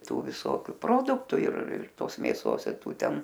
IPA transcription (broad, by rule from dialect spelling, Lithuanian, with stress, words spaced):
ˈtuː ʋʲɪˈsoːkʲʊ ˈproːdʊktʊ ɪr ɪr ˈtoːs mʲeːˈsoːs ɪr ˈtuː ˈtʲɛn